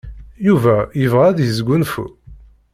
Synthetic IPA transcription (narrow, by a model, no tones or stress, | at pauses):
juvæjəvʁæðjəzɡʷunfṵ